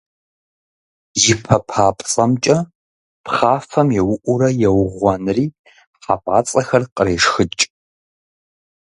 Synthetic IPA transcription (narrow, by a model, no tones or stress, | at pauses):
jɪpʰɐpʰaːpʼt͡sʼɐmt͡ʃʼɐ | pχaːfɐmjɛwʊʔʷʊɾɐjɛwʊʁʷɔnriː | ħapʼaːt͡sʼɐxɐrqʼəreːʂxɨt͡ʃʼ